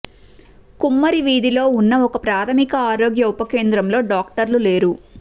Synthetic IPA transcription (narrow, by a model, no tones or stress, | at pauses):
kumːɐɾiʋiːd̪ilo̞ːunːɐɔkɐpɾaːt̪ʰɐmikɐaːɾo̞ːɡjɐupɐke̞ːnd̪ɾɐmlo̞ːɖaːkʈɐɾlule̞ːɾu